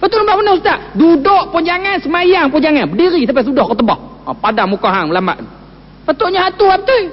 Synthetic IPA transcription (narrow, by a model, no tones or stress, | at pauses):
pat̪oʔubaʔpənɔhsut̪aʔdudoʔpʊɲd͡ʒaŋansəmajaŋpʊɲd͡ʒaŋanbədiɾisamp̬as̬udɔhkət̪əbɔhɔpadaŋmukaɦaŋməlama̰ʔ | pat̪oʔɲaɦat̪uapət̪ui